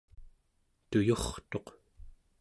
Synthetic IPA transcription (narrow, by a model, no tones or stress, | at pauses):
t̪ujoχt̪o̞q